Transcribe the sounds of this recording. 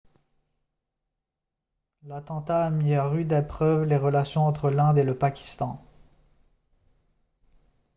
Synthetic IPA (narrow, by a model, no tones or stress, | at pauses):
lat̪ɑ̃t̪aːmiaʁyd̪ɛpχœvleʁəlasjɔ̃ɑ̃t̪χəlɛ̃d̪eləpakʲi̥st̪ɑ̃